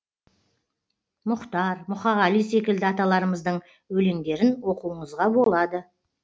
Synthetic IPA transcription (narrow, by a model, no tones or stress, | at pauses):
mʊqt̪ɑɾmʊχɑʁɑlijse̞kʲɪld̪ɪɑt̪ɑlˠɑɾəməzd̪əɴ | wɵle̞ŋd̪e̞ɾɪnwo̞quəɴəzʁɑbo̞lˠɑd̪ə